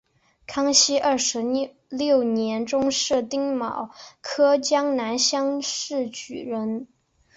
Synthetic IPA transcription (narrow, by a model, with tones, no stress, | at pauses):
kʰɑ˥ŋɕi˥ʔɐ˥˩ʂɻ̩˧˥ | ljo˥˩ʊnjɛ˧˥nʈ͡ʂʊ˥ŋʂɻ̩˥˧t̪i˥ŋmɑ˨˩˦ʊkʰɤ˥t͡ɕjɑ˥ŋna˧˥nɕjɑ˥ŋʂɻ̩˥˩t͡ɕy̰˨˩ɻə˧˥n